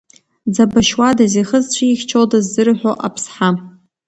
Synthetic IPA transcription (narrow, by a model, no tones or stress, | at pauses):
d͡zabaʃwadaziχəzt͡ɕʷʰaixʲt͡ʃʰoldazːɨrħʷᶣoʔapʰsħa